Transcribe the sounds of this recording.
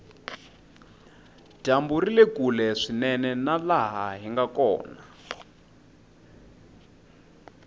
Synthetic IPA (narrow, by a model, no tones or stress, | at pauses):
d̥amburilekulɛʂinɛnɛnalaɦaɦiŋɡakɔ̰ːna